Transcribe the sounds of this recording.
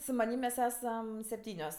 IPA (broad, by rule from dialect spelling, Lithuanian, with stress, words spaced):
sʊ mɐˈnʲiːm mʲɛs ˈæːsɐm sʲɛpʲˈtʲiːnʲoːs